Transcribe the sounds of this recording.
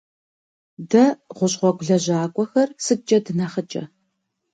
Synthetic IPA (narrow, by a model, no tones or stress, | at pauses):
dɐʁʷʊɕʼʁʷɔɡʷʊɮɐʑaːkʷʼɔxɐrsɨt͡ʃʼɐdɨnɐχət͡ʃʼɐ̰